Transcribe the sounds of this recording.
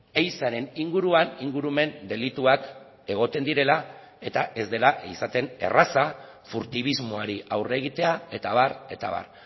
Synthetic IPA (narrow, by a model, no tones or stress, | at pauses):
ejsaɾe̞niŋɡuɾuaniŋɡuɾume̞nd̪e̞lit̪uak | e̞ɣ̞o̞t̪e̞nd̪iɾe̞la | e̞t̪aʔe̞zd̪e̞laisat̪e̞ne̞̰rasa | fuɾt̪iβ̞izmo̞aɾiʔawreɣ̞it̪e̞ae̞t̪aβ̞are̞t̪a̰βa̰r